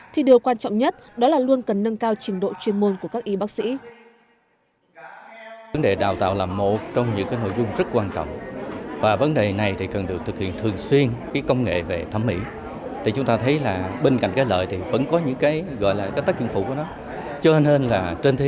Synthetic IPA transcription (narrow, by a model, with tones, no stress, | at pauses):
t̪ʰi˨˩ɗi˨˩əwkwaː˧nt͡ɕɔ̰˧˨wŋ͡mɲə˦˥t̚ɗɔ˨˦laː˨˩lu˧ənkə˨˩nːə˧ŋkaː˧wt͡ɕi˨˧ənɗo̰˧˨t͡ɕwi˧ənmo˧nku˧˩əkaː˦˥k̚ʔi˨˦ɓaː˦˥k̚sḭ˧˥ | və˨˦nɗe˨˩ɗa̰ː˧˨˩wt̪a̰ː˧˨wlaː˨˩mo˨˩t̚t͡ɕɔ˧wŋ͡mɲɨ̰˧˥ŋkaː˨˦jno̰˧˨jzʊ˧ŋ͡mzə˦˥t̚kwaː˧nt͡ɕɔ̰˧˨wŋ͡mvaː˨˩və˨˦nɗe˨˩na˨˩jt̪ʰi˨˩kə˨˩nɗɨ˨˩ək̚t̪ɨ˨˩khḭ˧˨ənt̪ʰɨ˨˩əŋswi˧ənkaː˨˦jkə˧wŋ͡mŋḛ˧˨ve˨˩t̪ʰə˨˦mːḭ˧˥ | t̪ʰi˨˩t͡ɕʊ˨˦ŋ͡mt̪aː˧t̪ʰə˨˦jlaː˨˩ɓe˧nka̰˧˨jŋ̟kaː˨˦jlə̰ː˧˨jt̪ʰi˨˩və̰˧˥nkɔ˨˦ɲɨ̰˧˥ŋkaː˨˦jɣɔ̰˧˨jlaː˨˩kaː˨˦t̪a˦˥k̚t͡ɕɨ˧˦ŋfu˧˩ku˧˩ənɔ˨˦ | t͡ɕɔ˧ne˧nlaː˨˩t͡ɕe˧nt̪ʰ